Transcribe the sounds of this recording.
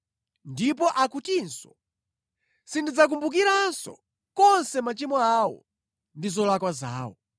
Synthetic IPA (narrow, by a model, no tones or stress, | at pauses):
ndip̬ɔʔakutinsɔ | sindid͡zak̬umbuk̬iɾansɔ̰ | kɔnsɛmat͡ʃimɔawɔ̰ | ndizɔlakwaza̰ːwɔ̰